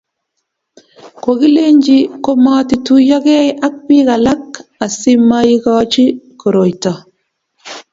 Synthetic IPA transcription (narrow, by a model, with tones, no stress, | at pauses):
ko˨ɡi˦le˦ɲd͡ʒi˦ko˦ma˦ti˨tu˦ja˦ɡe˦jʔa˦k̚bi˦ɡa˨la˦ka˨si˦mːajiɡaːt͡ʃi˦ko˨ɾo˨jta